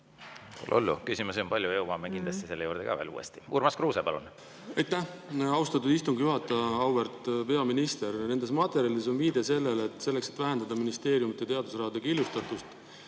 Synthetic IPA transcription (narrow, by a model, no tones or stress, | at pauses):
kṵlʔo̰lːṵkysʲimuseompɑlʲjueumɑːmekind̪lɑst̪ise̞lːejṵːɾd̪ekɑ̰vḛːlṵːḛst̪i̥ṵːɾmɑskruːsepɑlun | ɑjt̪ːæhɑwst̪ɑt̪ud̪ist̪uŋɡjuɦɑt̪ːˑɑɑwvert̪ˑpe̞ɑminist̪e̞ɾne̞nd̪e̞smɑt̪ːˑe̞ɾjɑliso̞nviːd̪̥e̞se̞lːe̞lːt̪ːˑse̞lːe̞kset̪ːvæɦend̪ɑd̪ɑminist̪e̞ːɾjumit̪ːˑjet̪e̞ɑd̪̥usrɑɦɑd̪̥ekiljust̪ɑt̪ːˑust̪